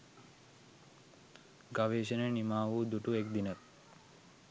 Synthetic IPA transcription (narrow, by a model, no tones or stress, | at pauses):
ɡaʋeːʃənənimaːʋud̪uʈuekd̪inət̪